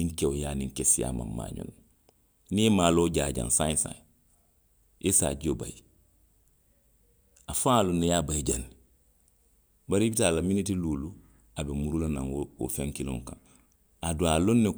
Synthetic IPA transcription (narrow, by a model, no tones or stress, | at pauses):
nĩŋkeojaːnĩŋkesija̰ma̰mmːa̰ːɲõ̰n | nĩjemaːloːɟaːɟã̰ŋsãĩsã̰ | ʔesa̰ɟioba̰ji | afãalonːejabaiɟani | baɾibitaːlaminitiluːlu | abemuɾulanãŋoo̰fẽŋkilõ̰ŋkã̰ŋ | adoalonːe